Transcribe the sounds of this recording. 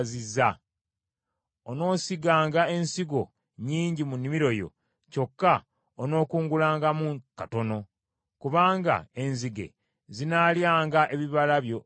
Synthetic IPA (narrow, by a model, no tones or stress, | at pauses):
zizːa | ono̞ːsiɡaːŋɡae̞nsiɡo̞̰ | ɲiːɲɟimunːimiɾo̞jo̞̰ | co̞kːa | ono̞ːkuːŋɡulaːŋɡamukato̞no̞ | kuβaːŋɡa̰e̞nziɡe̞̰ | zinaljaːŋɡaʔe̞βiβalaβjo̞